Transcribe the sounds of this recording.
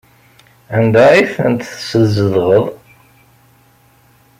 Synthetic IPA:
ænd̪æiθənt̪θsəzːəðʁəðˤ

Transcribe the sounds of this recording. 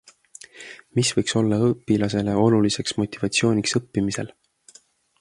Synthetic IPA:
misvɤjkso̞lːɑɤpːˑilɑse̞le̞o̞lulise̞ksmo̞t̪ivɑt̪sio̞ːnʲiksɤpːimise̞̰l

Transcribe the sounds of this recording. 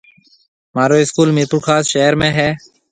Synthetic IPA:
maːɾoːɪskuːlmeːpʊɾkʰaːsʃeːɦəɾmẽːɦɛː

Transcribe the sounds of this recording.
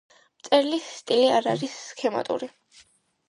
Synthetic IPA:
mt̪sʼɛɾlisːt̪ʼiliaɾa̰ɾisːkʰɛma̰t̪ʼṵɾi

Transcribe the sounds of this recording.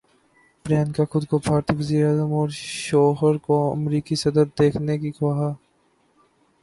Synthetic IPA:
pɾjaːnkaxʊd̪kobʱaːɾt̪iːʋəziːɾeaːzəmɔːɾʃɔːɦəɾkoɐ̰mɾiːkisɐd̪əɾd̪eːkʰnekiɡoɦaː

